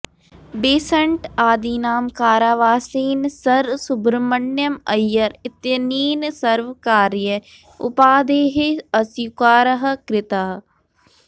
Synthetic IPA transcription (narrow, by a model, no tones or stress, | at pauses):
beːsəɳʈaːd̪iːnaːmkaːɾaːʋaːsiːnsəɾsʊbɾmənːjəməjːəɾɪt̪jəniːnsəɾʋkaːɾɪjə | ʊ̰paːd̪eːɦeɐsjkaːɾəɦəkɾɪt̪aː